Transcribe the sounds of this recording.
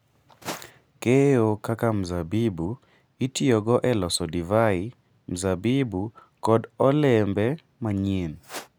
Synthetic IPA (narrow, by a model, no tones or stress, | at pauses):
keokakam̩zabibu | itioɡɔʔɛlɔsɔdivai | m̩zabibu | kɔdɔlɛmbɛ | maɲin